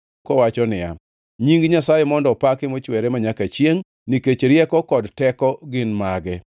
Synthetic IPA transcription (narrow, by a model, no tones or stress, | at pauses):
kɔwat͡ʃɔnɪja̰ | ɲiŋɡɲasajemɔndɔpakɪmot͡ʃwɛɾemaɲakat͡ʃjeŋ | niket͡ʃeɾjɛkɔkɔdtɛkɔɡɪnmaɡɛ